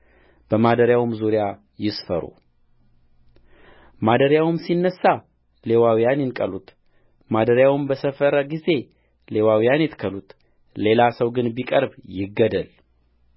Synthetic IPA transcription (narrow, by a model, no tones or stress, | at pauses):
b̥əmad̪əɾjawmzuɾja | jɪsfə̰ɾṵ | mad̪əɾjawmsinːəsːa | le̞wawijanjɪnkʼəlut̪ | mad̪əɾjawmbəsəfəɾəɡize̞ | le̞wawijanjɛt̪kʰəlut̪ | le̞lasəwɡɨnbikʼəɾbjɪɡːəd̪əl